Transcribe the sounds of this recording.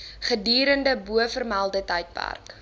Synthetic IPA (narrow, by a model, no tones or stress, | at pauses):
χədiːɾəndəbuəfərmælˠdətɛjt̚pa̰rk